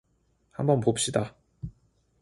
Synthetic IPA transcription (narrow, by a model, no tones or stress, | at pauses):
ha̰mbʌnpopɕ͈ida